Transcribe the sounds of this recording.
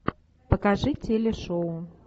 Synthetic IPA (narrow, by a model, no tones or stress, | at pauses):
pəkaʐɨtʲelʲɛʂoʊ